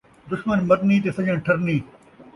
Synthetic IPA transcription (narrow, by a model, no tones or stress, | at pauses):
d̪ʊʃmənmɐɾniːt̪̬eːsɐ̃d͡ʑə̃ːʈʰɐɾniː